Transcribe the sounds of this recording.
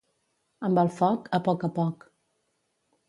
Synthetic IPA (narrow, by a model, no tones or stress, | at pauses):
əmbəlˠfɔkəpɔkəpɔk